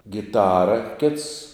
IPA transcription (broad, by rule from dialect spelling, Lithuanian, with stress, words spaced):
ɡʲɪˈtɑːrɐ kʲɪts